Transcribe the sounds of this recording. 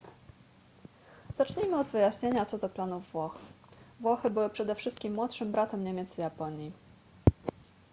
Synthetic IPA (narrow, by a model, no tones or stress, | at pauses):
z̥at͡ʂɲimɘɔd̪vɘjaɕɲeɲat̪sɔd̪ɔplanuvːwɔx | vwɔxɘbɘwɘpʂɛd̪ɛfʂɘst̪̚kʲimːwɔt̪ʂɘmbɾat̪ɛmɲemʲɛt̪sjapɔɲji